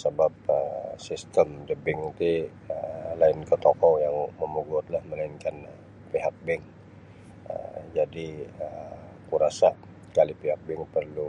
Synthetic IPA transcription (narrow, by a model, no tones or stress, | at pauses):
səbap̚əsist̪əmdəbɪŋit̪i | əlaɪnkət̪okɔjaŋməmuɡʊt̪̚lahməlainkan | piɦak̚bɛŋ | ə̰d͡ʒadiə | kuɾasa | kalipiɦak̚bɛŋpərlu